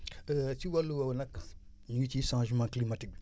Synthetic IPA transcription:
ət͡ʃiwaluwawnakːa | ɲit͡ʃiʃãʒmãklimatik̚

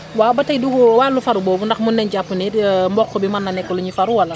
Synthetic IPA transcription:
waːbatɐjdukɔwalːufaɾubɔːbundɐxmunːɛnɟapːunɛmbɔkːɔbimanːɐnɛkːɔluɲifaɾuwalɐ

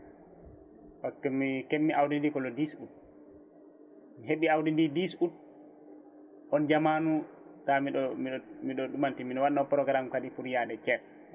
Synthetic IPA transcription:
paskɔmikemːiʔawdindikɔlɔdisut̚ | miɦeɓiawdindidisut̚ | ʔɔnd͡ʒamanu | tamiɗɔmimiɗɔɗumantiminɔwanːɔpɾɔɡɾamkaɗipuɾjaɗɛt͡ʃɛs

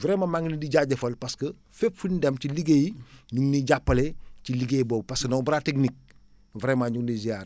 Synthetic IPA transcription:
vɾɛːmɐmaŋnidiɟaɟɐfɐlpaskɐ | fepfundɛmciliɡejɲuŋniɟapːɐleciliɡejbɔːbpaskɐnobɾaːteknik̚ | vɾeːmaɲuŋdizijaːɾ

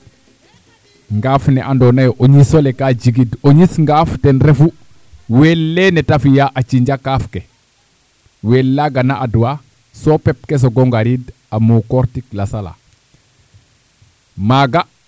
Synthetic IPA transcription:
ŋɡaːfnɛʔandonajoʔoɲisolekaɟiɡidoɲisŋɡaːftɛnɾefu | welːenɛtafijaʔat͡ʃiɲɟakaːfke | welːaɡanaʔaduwa | sopep̚kes̬oɡoŋɡaɾid | amukoɾtiklasala̰ | maɡa

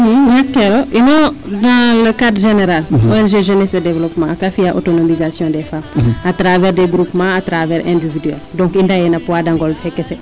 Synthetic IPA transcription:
ɦnakːɛɾoʔinɔdãləkadɾʒeneɾalɔɛlʒeʒenɛsɐdevlɔpmãakafijaʔo̰tonomizasjɔ̃dɛfamatɾavɛːɾdeɡɾupmãatɾavɛːɾʔɛ̰̃ndividyɛldɔ̃ŋkindajɛnapuadãŋɡɔlfɛkːɛsɛ

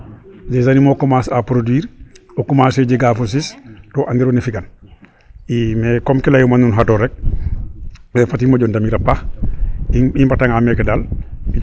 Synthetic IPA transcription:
d͡ʒɛzanimɔkɔmasapɾodwiːɾɔkɔmasɛd͡ʒɛɡafos̬istɔʔaŋɡiɾɔnɛfiɡan | imɛkɔmkɛlajumanunɦatɔɾɛk̚ | mɛfatimad͡ʒɔndamiɾapːa | impataŋamɛkɛdali

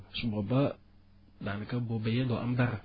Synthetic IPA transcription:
subaba | danəkabobejedoʔa̰mdaɾa

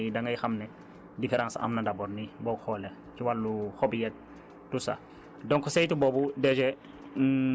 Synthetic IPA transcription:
dɐŋɐjxɐmnɛ | difɛɾãnsɐ̰mnɐdɐbɔɾnibɔxɔːlɛ | ciwalːuxɔbijɛt̚ | tusa̰ | dɔŋkɔsɛjtubɔːbudɛd͡ʒɛ

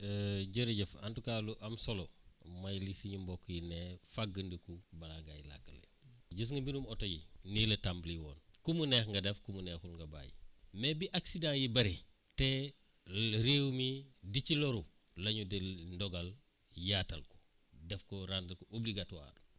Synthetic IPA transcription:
əɟəɾiɟəfantukaːluʔɐmsolomɐjlisiɲumbɔkːjinefaɡəndəkubalaŋɡa̰jla̰kːəlḛɟus̬ŋɡɐmbinumɔtojḭnilɐtambliwɔ̰ːnkumunɛxŋɡɐdɛfkumunɛːxulŋɡɐba̰ːjḭmɛbiʔaksidãjibɐɾi | te | ɾeːwmidiciloɾu | lɐɲudendɔɡal | jaːtɐ̰lkɔ̥ | dɛfkɔɾandɐlkoʔubliɡatwa̰ːdu

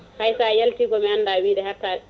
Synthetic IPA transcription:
hajsajaltiːɡɔmɛandawiːɗɛhatːaːɛ

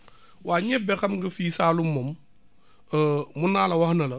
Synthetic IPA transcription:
waːɲɛbɛxɐmɡɐfiːsaːlumom | munaːlɐwɐhnɐlɐ

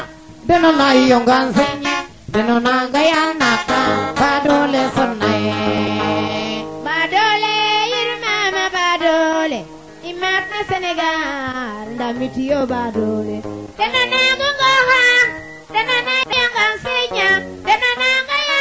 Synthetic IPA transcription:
denɔnajijoŋɡanseɲi | dɛnɔnaŋɡajanakabadolesɔɾnajɛ | badolejiɾimamabadole | imat̚naseneɡaɾndamitijobadoledenɔnaɡɔŋɡɔɾan | denɔnadejɔŋɡansiɲa | denɔnaŋɡaja

